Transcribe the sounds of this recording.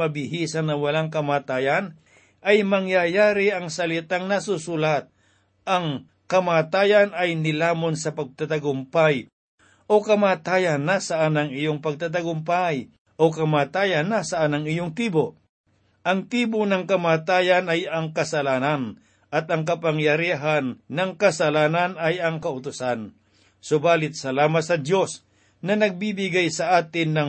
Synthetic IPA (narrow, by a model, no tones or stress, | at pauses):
ɐbɪhiːsɐnːɐwɐlaŋkɐmaːt̪aːjɐn | ʔɐjmɐŋjajaːɾɪʔɐŋsɐlɪt̪aŋnɐsʊsulat̪̚ | ɐŋ | kɐmaːt̪aːjɐnɐjnɪlaːmonsɐpɐɡ̚t̪at̪ɐɡʊmpaj | ʔo̞kɐmaːt̪aːjɐnːasaʔanɐŋɪjoŋpɐɡ̚t̪at̪̬ɐɡʊmpaj | ʔokɐmaːt̪aːjɐnːasɐʔanɐŋɪjoŋt̪iːbo | ʔɐŋt̪iːbonɐŋkɐmaːt̪aːjɐnɐjɐŋkɐsɐlaːnɐn | ʔɐt̪ɐŋk̬ɐpaŋjɐɾiɦanːɐŋkɐsɐlaːnɐnɐjɐŋkɐʔʊt̪ʊsan | sʊbaːlɪt̪̚sɐlaːmɐt̪̚sɐd̪jo̞s | nɐnɐɡ̚bibɪɡajsɐʔaːt̪ɪnːɐŋ